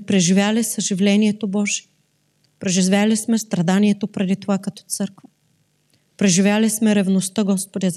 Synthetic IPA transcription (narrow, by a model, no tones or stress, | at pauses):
pɾɛʒivʲjalisəʒivlɛniɛt̪obɔʒi | pɾɛʒivʲalismɛst̪ɾɐd̪aniɛt̪opɾɛd̪it̪ovakɐt̪ɔ̥t̪sɤɾkvə | pɾɛʒivʲjalismɛɾɛvnost̪əɡɔspod̪ʲaz